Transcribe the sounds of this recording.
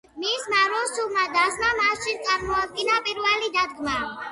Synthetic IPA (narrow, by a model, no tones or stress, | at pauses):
mismaɾɔsulˠmad̪asmamasʃit̪sʼaɾmɔad̪̚ɡinapʼiɾvɛlid̪ad̪ɡma